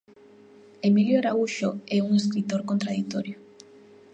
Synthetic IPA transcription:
emiljoɾauʃoɛuŋeskɾit̪oɾkont̪ɾaðik̚t̪oɾjo

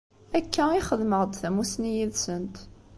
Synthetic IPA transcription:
ækʰːæiχəðməʁd̪θæmusnijiðsənt̪

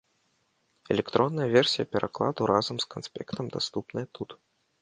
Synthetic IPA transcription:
ɛlʲɛkt̪ɾɔnːɐjɐvʲɛrsʲijɐpʲɛɾʔa̰klˠa̰d̪uɾazɐmskansʲpʲɛkt̪ɐmd̪ast̪upnɨjɐt̪ut̪

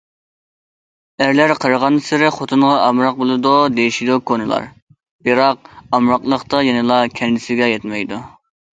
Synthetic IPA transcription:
æɾlæɾqʰəɾəʁɑnsɪɾɪχot̪ʰunʁɑɑmɾɑq̚bolˠɨd̪ud̪ejiʃid̪ukʰonɨlˠɑ̰ɾ | b̥ɨɾɑq̚ɑmɾɑqlˠəχt̪ɑjɛnɨlˠɑkʲʰɛnlɪsɪɡʲɛjɛt̪mɛjd̪u

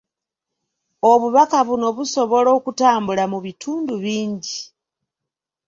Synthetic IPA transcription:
o̞βuβakaβuno̞βuso̞βo̞lo̞ːkutaːmbulamuβitʰuːnduβiːɲɟi

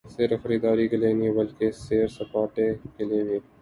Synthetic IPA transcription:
seːɾfəɾiːd̪aːɾiːkeleːnĩːbəlkeseːɾsəpaːʈeːkeleːniː

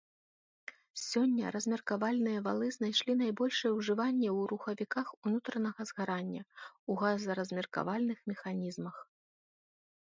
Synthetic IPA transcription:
sʲɔnʲːɐ̰ɾɐzʲmʲɛrkavalʲnɨjɐva̰lˠɨznajʂlʲinajbɔlʲʂɨjɛwʐɨvanʲːɛwɾuxɐvʲikaxunut̪ɾɐnɐɣɐzɣaɾanʲːɐuɣazɐɾɐzʲmʲɛrka̰valʲnɨxmʲɛxanʲizmɐx

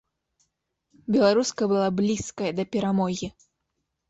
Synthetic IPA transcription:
bʲɛlˠaɾuskɐbɨlˠablʲiskɐjɐd̪ɐpʲɛɾamɔɣʲi

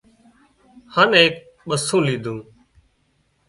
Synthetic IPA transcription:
haːneːk | ɓəsũːliːd̪ʱũː

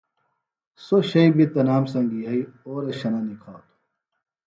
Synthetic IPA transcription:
soɕɐibit̪ɐnaːmsɐŋɡiɦɐioːɾɐɕɐnanikʰaːt̪ʰ

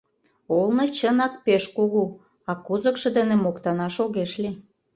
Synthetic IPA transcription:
olnɤ̆t͡ɕənɑk̚peʃkuɣu | ɑkuzə̆kʃɤ̆d̪enemokt̪ɑnɑʃoɣeʃli

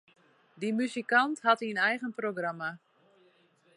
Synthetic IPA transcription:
dimyzikantɦathiənɛjɣənproɡrama

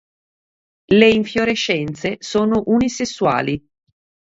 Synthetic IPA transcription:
leiɱfjoɾeʃːɛnt̪sesoːnoʔunisesːwa̰ːli

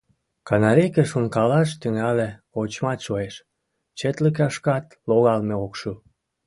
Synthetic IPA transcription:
kɑnɑɾekeʃuŋkɑlɑʃt̪yŋæleot͡ɕmɑt̪ʃoeʃ | t͡ɕet̪lək̬ɑʃkɑt̪ | loɣɑlmeokʃu

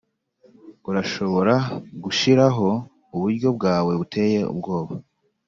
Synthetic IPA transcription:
uɾaʃo̞βo̞ɾaɡuʃiɾaɦo̞ | uβuɾɟo̞b̚ɡaːwe̞βutʰe̞je̞ṵbɡo̞ːβa

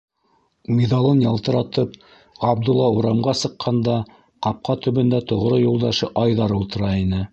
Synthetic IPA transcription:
mʲeðɑlˠɤnjɑlˠt̪ɤ̆ɾɑt̪ɤp̚ | ʁɑb̚d̪ulˠːɑuɾɑmʁɑsɤ̆qʰːɑnd̪ɑ | qɑp̚qɑt̪ɵ̆βɵ̆nd̪æt̪ŏʁɾɤjulˠd̪ɑʃɤʔɑjðɑɾulˠt̪ɤ̆ɾɑinɘ

